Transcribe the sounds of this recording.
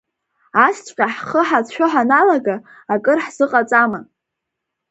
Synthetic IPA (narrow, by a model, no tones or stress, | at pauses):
ast͡ɕʷʼqʲʼaħχəħat͡sʰʃʷᶣoħanalaɡa | akʼɨrħz̥ɨqʼat͡sʼama